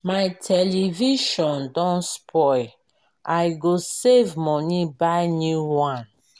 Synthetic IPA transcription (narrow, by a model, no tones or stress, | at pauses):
majtʰɛliviʃɔ̃ndɔ̃nspʰɔj | ʔajɡosevmɔnĩbaɪnjuwãn